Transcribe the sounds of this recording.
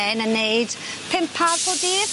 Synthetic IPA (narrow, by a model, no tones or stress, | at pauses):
ɛnənːejd̥ | pʰɪmpʰarpʰɔdiː